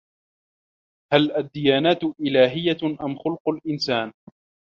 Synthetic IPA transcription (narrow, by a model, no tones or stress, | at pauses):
halʔad̪ːɪjaːnaːt̪ʔɪlaːɦɪjːaʔamxʊlqʊlʔɪnsaːn